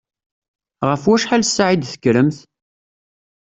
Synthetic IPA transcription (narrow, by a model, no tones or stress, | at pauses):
ʁəfwæʃħalsːʕid̪θə̥kːɾəmθ